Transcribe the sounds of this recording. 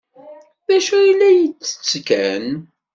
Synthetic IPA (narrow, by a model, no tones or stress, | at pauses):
ðæʃuilːæjət͡sːə̥t͡sːkæn